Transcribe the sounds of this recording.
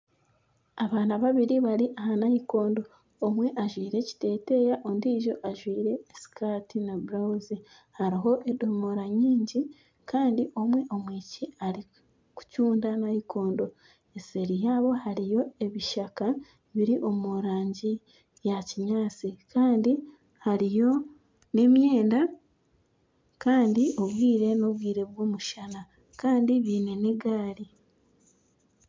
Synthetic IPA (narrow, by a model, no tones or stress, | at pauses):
aβaːnaβaβiɾiβaɾiʔahanahiko̞ːndo̞ː | mwe̞ʔaʒwiːɾe̞ci̥te̞ːte̞jaʔondiːʒo̞ʔaʒwiːɾe̞ːsi̥kaːtinabuɾazi | haɾiɦo̞ʔe̞do̞moɾaɲiːɲɟi | kaːndiʔo̞mwe̞ʔo̞mwiːciaɾi | ku̥cuːndanahiko̞ːndo̞ | e̞se̞ɾijaːβo̞haɾijo̞e̞βiʃaka | βiɾiʔo̞muɾaːɲɟi | jaciɲaːt͡sikaːndi | haɾijo̞ | ne̞mje̞ːnda | kaːndio̞βwiːɾe̞no̞βwiːɾe̞βwoːmuʃana | kaːndiβiːne̞neɡaːɾi